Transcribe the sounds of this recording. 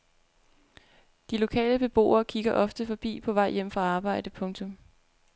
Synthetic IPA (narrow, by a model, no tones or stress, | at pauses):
d̥ilo̝kʰɛ̰ːləb̥e̝b̥o̝̰ːɐːkʰiɡ̥ɐʔɒ̽fd̥əfɒ̽b̥ḭːpʰɒ̽ʋɑ̈ɪ̰jem̰fʁɑ̈ɑ̈ːb̥ɑ̈ɪ̰d̥əpʰɔ̽ŋt͡sʰɔ̽m